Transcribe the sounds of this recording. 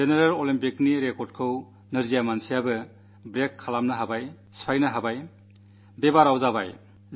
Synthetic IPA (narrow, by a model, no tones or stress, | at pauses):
zeneɾalolimpikniɾekɔɾd̚kʰɯw | nɯɾzijamansijabɯ | bɾekʰːalamnɐɦabaj | spʰajnɐɦabaj | bebaɾawzaba̰j